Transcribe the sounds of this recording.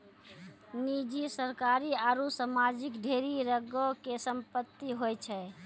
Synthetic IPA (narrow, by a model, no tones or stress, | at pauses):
nid͡ʒisəɾkaɾiaɾusamad͡ʒikɖʱeɾiɾəɡokesəmpət̪ːiɦojt͡ʃʰɛ